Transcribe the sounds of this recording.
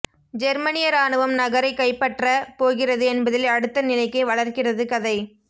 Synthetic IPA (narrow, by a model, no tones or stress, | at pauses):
d͡ʒɛɾmɐnɪjɐɾaːɳɯʋɐmnɐɣɐɾɐɪkːɐɪpːɐʈrɐpoːɣɪrɐðɯɛnbɐðɪlɐɽɯt̪ːɐnɪlɐɪkːɐɪʋɐɭɐrkɪrɐðɯkɐðɐɪ